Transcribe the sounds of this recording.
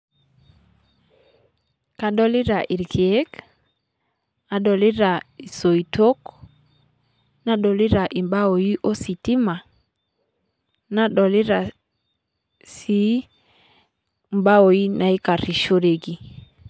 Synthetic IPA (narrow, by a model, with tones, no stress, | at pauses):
ka˨ɗɔ˦li˦ɾa˨ʔi˨ɾki˨e˦k | a˨dɔ˨li˦ɾa˨i˨so˨i˨to˦k | na˦ɗɔ˨li˦ɾa˨ʔi˨mba˦o˨ji˦ʔo˦si˨ti˦ma˨ | na˦ɗɔ˨li˦ɾa˨ | si˨˦ | mba˦o˨i˦na˨i˦ka˨ɾi˨ʃo˦ɾe˨ɡi˦